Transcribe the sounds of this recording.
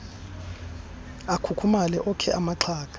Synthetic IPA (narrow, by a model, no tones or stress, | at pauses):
akʰukʰumalɛʔɔkʰɛʔamaǁʰaːk̬ʼḁ